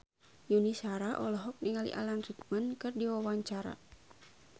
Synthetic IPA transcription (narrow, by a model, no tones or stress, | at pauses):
junisaɾaʔɔlɔɦɔk̚niŋalḭʔa̰lanrik̚mənkɨrdiwawaɲt͡ʃaɾa̰